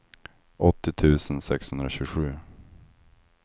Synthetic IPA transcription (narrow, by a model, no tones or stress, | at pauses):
ʔɔt̪ːɪt̪ʰʉ̟ːsənsɛkshɵnd̪ɾaɕʉːɧʉ̟ː